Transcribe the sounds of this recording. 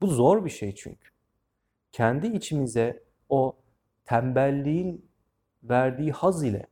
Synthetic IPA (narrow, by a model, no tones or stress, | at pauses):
b̥uzoɾbiʃejt͡ʃʰy̰ɲcʰy̥ | cʰænd̪iːt͡ʃʰimizɛ | o | t̪ʰæmbælʲːijin | væɾd̪iːhazilʲɛ̰